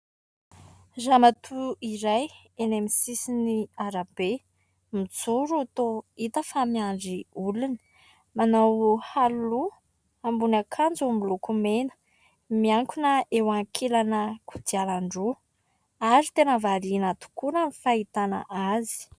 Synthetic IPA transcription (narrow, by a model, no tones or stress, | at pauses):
zamat̪ʰuiɾaj | enemisisiniaɾabe | mit͡suɾuat̪oit̪əfamiaɳɖ͡ʐiuluni̥ | manawhalːu | ambunakʰand͡zumilukumenə̥ | miaŋkunəʔewaŋkʰelanəkud̪ialaɳɖ͡ʐu | aɾit̪enəvaɾinat̪u̥kunəmifait̪ana̰ʔazi̥